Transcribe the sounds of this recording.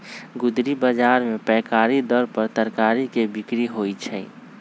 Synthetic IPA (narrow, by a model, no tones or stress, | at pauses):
ɡʊd̪ɾibəd͡ʒaːɾmẽpɛːkaːɾid̪ɔɾpəɾt̪əɾkaːɾikebɪkɾiɦoit͡ʃʰɛ